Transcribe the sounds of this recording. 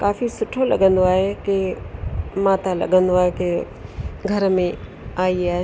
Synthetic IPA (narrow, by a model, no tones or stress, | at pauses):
kaːfʰisʊʈʰːolɐ̰ɡə̃nd̪oaːɦeke | maːt̪alɐ̰ɡənd̪oaːɦeke | ɡʱɐɾmẽ | aːia